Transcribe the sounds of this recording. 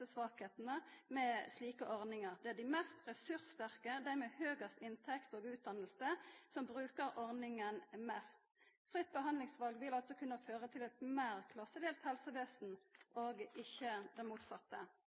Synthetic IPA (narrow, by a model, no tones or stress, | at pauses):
əsʋɑːkheːt̪ənəmɛsliːkəʔɔʁnɪŋəʁd̪ɛæd̪ɪmɛst̪ʁɛsʉʁst̪æʁkəd̪æʁmɛhøːɡəst̪ɪnt̪ʰɛkt̪oːɡʉːt̪̚d̪ɑnːəlsəsɔmbʁʉːkəɾɔʁnɪŋənmɛst̪ | fʁɪt̪̚ːbəɦɑnd̪lɪŋsʋɑlɡʋɪlɑlt̪sɔkʰʉnːəføːʁət̪ʰɪlɛt̪mæːʁkʰlɑsːəd̪eːlt̪hɛlsəʋeːsn̩ʔoːɡɪçːəd̪ɛnmuːt̪sɑt̪ːə